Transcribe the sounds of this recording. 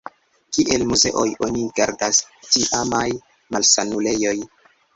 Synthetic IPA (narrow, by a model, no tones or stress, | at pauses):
kiʔelmuze̞̰ʔo̞jʔo̞nikeɾdastiʔamaj | malsanule̞jo̞j